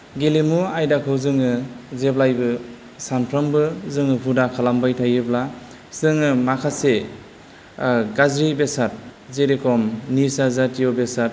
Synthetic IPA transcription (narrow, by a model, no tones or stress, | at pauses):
ɡelemuajdakʰɯwzɯŋɯzeblajbɯ | sanpʰɾɔmbɯzɯŋɯpʰudakʰalambajtʰajɯbla | sɯŋɯmakʰase | ɡazɾibesat̚zeɾekʰɔmnisazatijobesat̚